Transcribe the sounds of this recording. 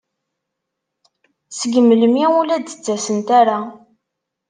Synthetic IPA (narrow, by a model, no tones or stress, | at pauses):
səɡəmːələmiulæd̪ə̥t͡sːæsənt̪aɾa